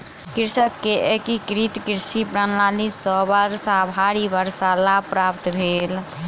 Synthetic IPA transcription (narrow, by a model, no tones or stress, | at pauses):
kiɾsəkːeʔekikɾit̪kiɾsipɾanlalisɔbaɾsabʱaɾibəɾsalapɾapt̪bʱel